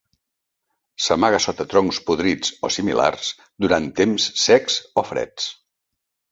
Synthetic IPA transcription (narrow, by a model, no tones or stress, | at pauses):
səmaɣəsɔt̪ət̪ɾɔŋspuðɾid͡zo̰simḭla̰rs | d̪uɾant̪emsːɛksofɾɛ̰t͡s